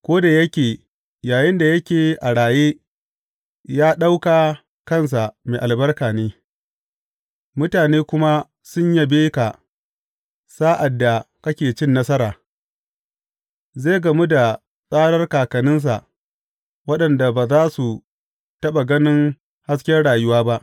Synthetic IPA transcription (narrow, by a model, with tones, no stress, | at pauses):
kʷoː˦da˨jɐ˦kʲeː˨ | jaː˨jɪ˦nda˨jɐ˦kʲeː˨ʔa˨ɽaː˨jeː˦ | jaː˦ɗa˦wkaː˨ | kɐ˦˨ns̬a˨meː˨ʔa˨lbɐ˦rkaː˨neː˦ | mʊ˦taː˨neː˦kʷʊ˦ma˦ | sʊ˦ɲja˦beː˦ka˨ | saː˦ʔa˨dːa˨ | kɐ˦kʲeː˨t͡ʃɪ˦nːɐ˦sɐ˦ɾaː˨ | ze˦˨ɡɐ˨mu˦da˨ | sʼaː˦ɽɐ˦rkaː˨kɐ˨nɪ˦ns̬a̰˨ʔ | wɐ˦ɗɐ˨nda˨baː˨zaː˦su˨ | tɐ˦ɓa˨ɡɐ˦nɪ˦ŋ | ha˦s̬kʲɛ˦rɽaː˨jʊ˦waː˦ba˦ʔ